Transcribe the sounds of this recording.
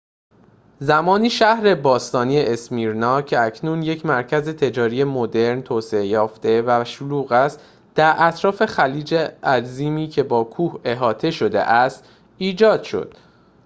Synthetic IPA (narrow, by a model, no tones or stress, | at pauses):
zæmɒːniːʃæhɾe̞bɒːst̪ɒːnijeʔesmiːɾnɒːcʰe̞ækʰnuːnje̞cʰmæɾcʰæze̞t̪ʰe̞d͡ʒɒːɾije̞mod̪e̞ɾnt̪ʰoːse̞ejɒːft̪e̞væʃoluːɣæst̪ | d̪̥æɾʔæt̪ʰɾɒːfe̞xæliːd͡ʒeʔæɾziːmiːcʰe̞bɒːkʰuːhe̞ɦɒːt̪ʰe̞ʃo̞d̪e̞̰ʔæst̪ | iːd͡ʒɒːd̪̥ʃo̞̰d̪̥̚